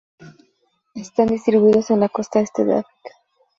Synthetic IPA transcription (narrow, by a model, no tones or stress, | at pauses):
est̪and̪isiɾβuðosenakost̪aest̪eða̰βik